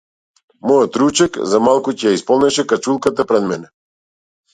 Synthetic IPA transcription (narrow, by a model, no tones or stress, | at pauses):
mɔjɔt̪ɾut͡ʃɛkzamalˠkucɛjaispɔlˠnɛʃɛkat͡ʃulˠkat̪apɾɛd̪mɛnɛ